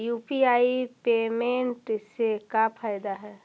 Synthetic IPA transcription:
juːpiaːipeːmẽɳʈɪsekapʰaːjd̪aɦɛː

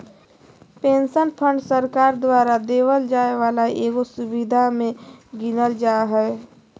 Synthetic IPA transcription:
pẽːnsənpʰə̃ɳɖsəɾkaːɾd̪waːɾad̪eːwəld͡ʒaːeʋaːlaeːɡosʊbɪd̪ʱamẽɡinəld͡ʒaːɦɛː

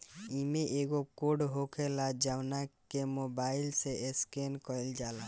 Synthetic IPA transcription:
imeʔeɡokoɖɦokʰelad͡ʒawnakkemobailseeskenkɔjld͡ʒala

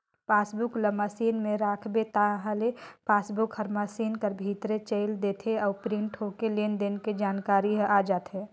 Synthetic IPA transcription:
paːsbʊkləmasiːnmẽɾaːkʰbet̪aɦəlepaːsbʊkhəɾmasiːnkəɾbʱiːt̪ɾet͡ʃəɪld̪eːt̪ʰeɔːpɾɪ̃ɳʈɦokelend̪enked͡ʒaːnkaːɾiʔaːd͡ʒaːt̪ʰɦeː

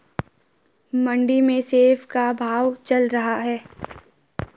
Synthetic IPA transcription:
mə̃ɳɖimẽseːfkabʱaːʋt͡ʃɐlɾɐɦaɦɛː

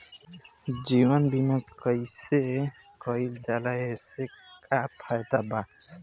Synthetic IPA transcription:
d͡ʒiwɔnbimakɔjse | kɔild͡ʒalajesekapʰajd̪aba

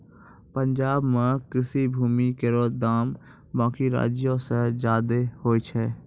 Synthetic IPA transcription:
pə̃ɲd͡ʒaːbmẽkɪsibʱuːmikeɾoːd̪aːm | bãːkiɾa̰ːd͡ʒjõsed͡ʒaːd̪ehoːit͡ʃʰɛː

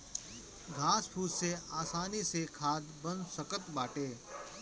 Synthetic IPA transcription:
ɡʱaːspʰuːzseaːsaːnisekʰaːd̪bə̃nsəkət̪baːʈeː

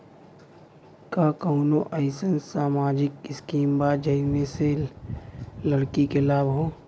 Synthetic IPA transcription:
kaːkəʊnoʔəɪsənsaːmaːd͡ʒɪkɪskiːmbaːd͡ʒəinese | ləɽkikelaːbɦoː

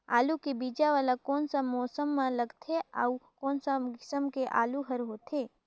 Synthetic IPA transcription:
a̰ːlukebid͡ʒaʋalakoːnsamɔːsəmːãləɡt̪ʰea̰ukoːnsaɡɪsəmkeʔa̰ːluɦəɾɦoːt̪ʰeː

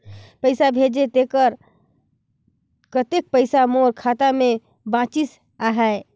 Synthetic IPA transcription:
pəɪsabʱed͡ʒet̪ekəɾ | kət̪ek̚pəɪsamoɾkʰat̪ame | bãt͡ʃis | aɦɛ

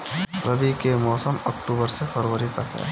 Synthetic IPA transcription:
ɾəbikemɔːsəməkʈuːbəɾsepʰɐɾwəɾit̪ɐkɦɛ̰ː

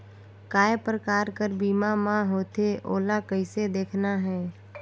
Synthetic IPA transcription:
kaːjpɾəkaːɾkəɾbiːmamãɦoːt̪eʔoːlakəɪsed̪eːkʰnaɦɛː

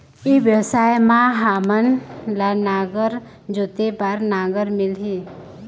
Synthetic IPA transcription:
iʋjəsaːjmãɦamənlanaːɡəɾ | d͡ʒut̪epaɾnaːɡəɾmɪlɦi

